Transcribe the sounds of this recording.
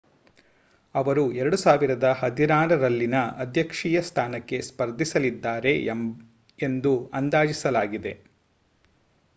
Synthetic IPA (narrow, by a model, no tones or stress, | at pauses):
ɐʋɐɾuɛɾɐɽusaːʋiɾɐd̪ɐhɐd̪iɾaːɾɐɾɐlːinɐɐd̪ʱjɐkʂiːjɐst̪ʰaːnɐkːe̞spɐɾd̪ʱisɐlid̪ːaːɾe̞ | end̪uɐnd̪aːd͡ʒisɐlaːɡid̪e̞